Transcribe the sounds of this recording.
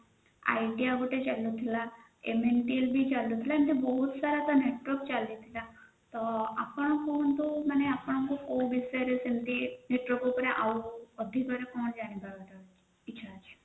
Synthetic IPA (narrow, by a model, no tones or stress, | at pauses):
a̰jʈiaɡuʈet͡ʃalut̪ʰila | ḛmenʈielbʱit͡ʃalut̪ʰilaimt̪ibɔɦut̪saɾat̪ɔneʈʋəɾkt͡ʃalit̪ʰila | t̪ɔa̰pɔɽ̃ɔ̃kunt̪umaneapɔɽ̃ɔŋkukowbisɔɾesint̪ineʈʋɔɾkupɾeʔauəd̪ʱikɔɾekɔɽ̃d͡ʒaɽ̃ibaɡet̪ɔ | itːʃʰat͡ʃʰe̥